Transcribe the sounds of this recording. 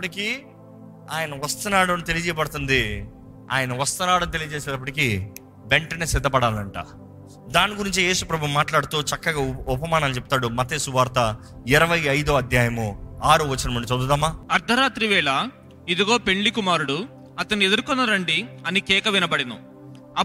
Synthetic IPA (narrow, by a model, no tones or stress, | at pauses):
ɐpɐʈikiː | aːjɐnɐʋɐst̪ɐnaːɽɐmt̪e̞lijɐd͡ʒɛjɐpɐɽɐt̪und̪i | a̰ːjɐnɐʋɐst̪ɐnaːɽɐnt̪e̞lijɐd͡ʒɛːsɛːɖɐpːɐʈiki | beɳʈɐnesɪd̪ʱːɐpɐɽaːlɐɳʈa̰ː | d̪aːniɡuɾiɲt͡ʃije̞ːsupɾɐbʱumːaːʈlaːɽut̪ut͡ʃɐkːɐɡaːupɐmaːnɐnit͡ʃep̚ut̪aːɽumɐt̪eːsuʋaːɾt̪ɐ | ɪɾɐʋɐjɐjd̪oɐd̪ʱjaːjɐmuaːɾuʋɐt͡ʃːinɐmɐɳɖit͡ʃɐd̪ud̪ɐmaːɐɾd̪ʱɐɾaːt̪ɾiʋɛːɭɐ | id̪iɡo̞ːpe̞ɳlikumaːɾuɽu | ɐt̪ɐnːied̪uɾkɔnːɐɾɐɳɖiɐnikɛːkɐʋinɐbɐɽinṵ | ɐ